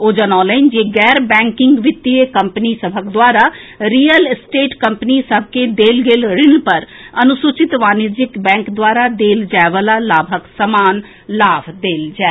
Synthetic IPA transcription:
od͡ʒənɔ̃ːləɪnd͡ʒeːɡɛːɾbɛ̃ːŋkɪŋɡʋɪt̪ːieːkəmpnisəbʱəkd̪ʊwaːɾaːɾiːəlsʈeːʈkəmpniːsəb̚ʱked̪eːlɡeːlɾɪnpəɾənʊsʊt͡ʃɪt̪ʋaːnɪd͡ʒɪkbɛ̃ːŋkd̪waːɾaːd̪eːld͡ʒɛːʋəlaːlaːbʱəksəmaːn | laːbd̪eːld͡ʒɛː

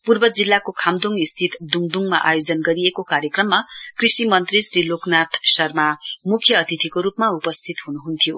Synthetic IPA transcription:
purbʌd͡zilːakokʰamd̪uŋist̪ʰit̪d̪uŋd̪uŋma̰ʔa̰jod͡zʌnɡʌɾiekokaɾjʌkrʌmːakrisimʌnt̪risriloknat̪ʰsʌrmamukʰjʌːt̪it̪ʰikoɾupmaupʌst̪ʰit̪ɦunuɦunt̪ʰijo

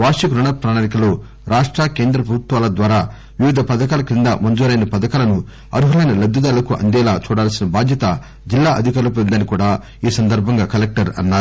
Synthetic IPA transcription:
ʋaːʂikɾuɳɐpɾaːnaːɾikɐloː | ɾaːʂʈɾaːkeːnd̪ɾɐpɾɐbʱut̪ʋaːlɐd̪ʋaːɾaː | ʋiʋid̪ʱɐpɐd̪ɐkaːlɐkind̪ɐmɐnd͡ʒuːɾɐjnɐpɐd̪ɐkaːlɐnu | ɐ̰ɾuɦɐlɐjnɐlɐd̪ːɐd̪aːlɐkuʔɐ̰nd̪ɛːlaːt͡ʃuːɽaːlsinɐbaːd̪jɐt̪ɐ | d͡ʒilːaːʔɐd̪ʱikɐlɐp̬end̪ɐnikuːɽaː | iːsɐnd̪ɐɾbʱɐŋɡaːkɐlek̚ʈɐɾɐ̰nːaːɾu

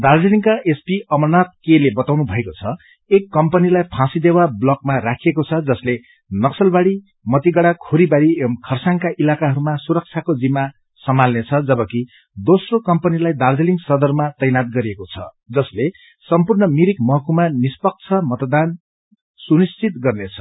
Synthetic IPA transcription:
d̪ard͡zeliŋkaʔespiʌmʌnat̪̚kelebʌt̪awnubʱʌekot͡sʰʌ | ekːʌmpʌnilajpʰãsid̪ewablʌkmarakʰiekot͡sʰʌd͡zʌsle | nʌksʌlbaɽi | mʌt̪iɡʌɽakʰoɾibaɽikʰʌrsaŋkaʔilakaɦʌɾumasuɾʌk̚t͡sʰakod͡zimːa | sʌmalnet͡sʰʌd͡zʌbʌki | d̪osrokʌmpʌnilajd̪ard͡zeliŋsʌd̪ʌrmat̪ʌjnat̪̚ɡʌɾiekot͡sʰʌ̰ | d͡zʌsle | sʌmpurnʌmiɾikmʌɦʌkumanispʌk̚t͡sʰʌmʌt̪d̪an | sunist͡sit̪ɡʌrnet͡sʰʌ̥

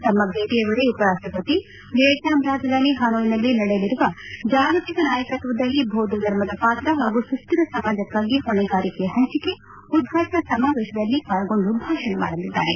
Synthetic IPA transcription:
t̪ɐmːɐɡʱeːʈijɐʋɐɽeupɐɾaːʂʈɾɐpɐt̪i | ɡeːʈjaːmɾaːd͡ʒ̪ʱɐd̪ʱaːniɦaːnoːjinɐlːinɐɽejɐliɾuʋɐd͡ʒaːɡɐt̪ikɐnaːjɐkɐt̪ʋɐd̪ɐlːibʱoːd̪ɐd̪ɐɾmɐd̪ɐpaːt̪ɾɐɦaːɡusust̪iɾɐsɐmaːd͡ʒɐkːaːɡiɦɔɳɛɡaːɾikeɦɐɲt͡ʃike | ud̪̚ɡʱaːʈɐɐsɐmaːʋeːʃɐd̪ɐlːikaːɭɐɡo̞ɳɖubʱaːʂɐnɐma̰ːɽɐlid̪ːa̰ːɾe

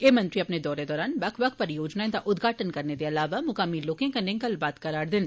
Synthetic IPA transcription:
eːmɐ̃nt̪ɾiɐpned̪ɔːɾed̪ɔːɾaːnbɐkʰʋɐk̚pɐɾjoːd͡ʒnaẽt̪aʔʊd̪ɡʱaːʈənkɐɾned̪eɐlaːʋamʊkaːmiːloːkẽkɐnẽkɐlbaːt̪kɐɾaːɾd̪ɪn

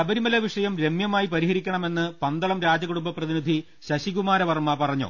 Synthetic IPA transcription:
ɐbɐɾimɐlɐʋiʂɐjɐmɾe̞mjɐmaːjipɐɾiɦɐɾikʲːɐɳɐme̞nːɨpɐnd̪ɐɭɐmɾaːd͡ʑɐɣuɽumbɐprɐðinid̪ʱi | ɕɐɕiɣumaːɾɐʋɐrmɐpɐrɐɲːo̰ː

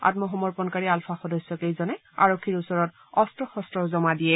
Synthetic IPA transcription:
a̰tmɔxɔmɔɹpɔnkaɹialfʰaxɔdɔsjɔkejzɔnɛ | a̰ɹokʰːiɹusɔɹɔt | ɔstɹɔxɔstɹɔzɔmadijɛ

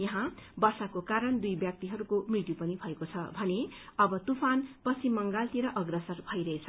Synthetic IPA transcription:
jʌɦãbʌrsakokaɾʌnd̪ujbjak̚t̪iɦʌɾukomrit̪jupʌnibʱʌekot͡sʰʌbʱʌneʌbʌt̪upʰanpʌsʰimʌŋɡalt̪iɾʌʔʌɡrʌsʌrbʱʌjɾʌɦet͡sʰʌ

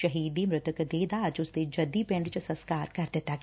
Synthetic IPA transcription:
ʃɐɦiːd̪imɾɪt̪əkd̪eːd̪aːd͡ʒʊsd̪ed͡ʒɐd̪ipɪ̃ɳɖt͡ʃosɐ̃nskaːɾkɐɾd̪eːt̪a

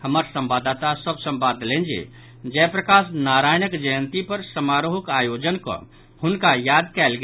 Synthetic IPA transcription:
hɐmaːɾsə̃mbaːd̪aːt̪asəbsə̃mbaːd̪lẽːnd͡ʒiḛː | d͡ʒɛːpɾəkaːsnaːɾaːjnəkd͡ʒəjə̃nt̪ipɐɾsəmaːɾoɦʊkaːjoːd͡ʒənko̰ | hʊnkajaːd̪̚kɛːlɡ

